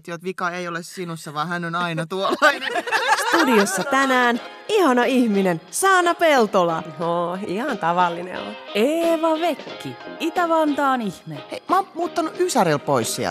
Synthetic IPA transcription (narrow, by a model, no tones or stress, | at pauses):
t̪jot̪ʋikɑeiolessinusːɑʋɑːhænonɑinɑt̪uolɑinest̪udiosːɑt̪ænæːn | ihɑnoihminensɑːnɑpelt̪olɑoihɑnt̪ɑʋɑlːinḛʋʋɑ̰eːʋɑʋekːiit̪æʋɑnt̪ɑːnihmeeimɑːmmuːt̪ːɑnuysæɾelpoissiæ̰l